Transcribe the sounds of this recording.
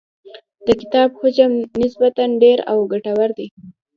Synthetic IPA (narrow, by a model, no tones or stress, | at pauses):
d̪̥əkɪt̪ɑbxod͡ʒamnɪsbat̪anɖeɾa̰wɡaʈawaɾd̪e